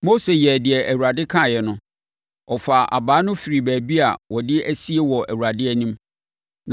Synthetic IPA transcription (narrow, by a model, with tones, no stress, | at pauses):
mo˦se˨jɛ˨dɪ˨ɛ˨ʔæ˨wu˨ɾa˨dɪ˦kʰã˦˨jɛ˨nʊ̃˦ | ɔ˨fa˨ʔa̰˨baː˨˦nʊ̃˦fi˨ɾi˨bæː˨bi˦a̰˨wɔ˨dɪ˦æ˦si˦e˦wɔ˨ʔæ˨wu˨ɾa˨dɪ˦ɛ˦nĩ˦m | n